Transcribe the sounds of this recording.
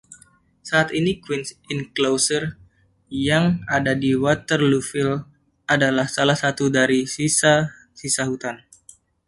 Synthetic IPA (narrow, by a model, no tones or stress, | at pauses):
saːt̪inikwinsinklosər | jaŋadadiwat̪ərlufil | ʔadalahsalahsat̪udaɾisisa | sisaɦut̪an